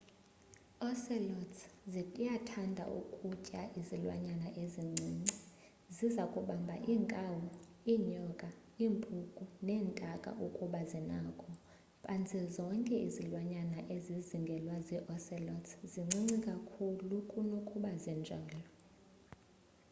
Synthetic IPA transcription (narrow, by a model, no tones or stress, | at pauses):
ɔsɛlɔtzijatʰandʱa̰ʔṵkʼucʼaʔizilwa̰ɲanaʔeziŋ͡ǀʱiŋ͡ǀi | zizakʼuɓambʱaʔiːŋkʼawu | iːɲɔkʼa | iːmpʰʼukʼunɛːntʼakʼa̰ʔukʼuɓazinaːkʰɔ | pʼʰant͡sʰɛzɔŋkʼɛʔizilwaɲanaʔeziziŋɡʱɛlwaziʔɔsɛlɔtziŋ͡ǀʱiŋ͡ǀikʼakʰulukʼunokʼuɓazɛnd͡ʒʱaːlɔ